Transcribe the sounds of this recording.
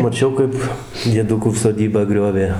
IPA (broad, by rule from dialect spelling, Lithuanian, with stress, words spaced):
mɐˈt͡ʃʲɛʊ kɐɪp dʲiɛˈdʊkuː soːˈdʲiːbɑː ˈɡrʲoːʋʲeː